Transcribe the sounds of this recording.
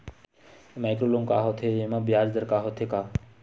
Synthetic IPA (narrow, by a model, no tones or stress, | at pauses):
majkɾoloŋkaɦɔt̪ʰeemabjaɾd̪əɾkaɦot̪ʰeka